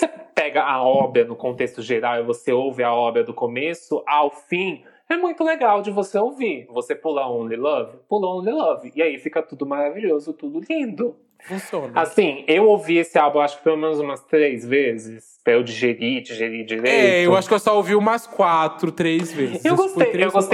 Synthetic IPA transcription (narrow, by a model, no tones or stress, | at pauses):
osepɛɡɐʔaɔbɾɐnʊkõnt̪est̪ʊʒeɾawɪvoseowvɪaɔbɾɐd̪ʊkomesʊʔawfĩ | ɛmũj̃t̪ʊleɡawd͡ʒɪvoseowvivosepulaõlɪlɔvɪpulɐõlɪlɐvɪiaifikɐt̪ud̪ʊmaɾaviʎozʊt̪ud̪ʊlĩd̪ʊ | fũsiõnɐasĩewowviesɪalbũaʃʊ̥kɪpelomẽnʊzũmɐst̪ɾejzvezɪs | pɾɐewd͡ʒɪʒeɾid͡ʒiʒeɾid͡ʒiɾejewaʃʊ̥kɪewsɔowviũmɐskwat̪ɾʊt̪ɾezvezɪsewɡost̪ejewɡost̪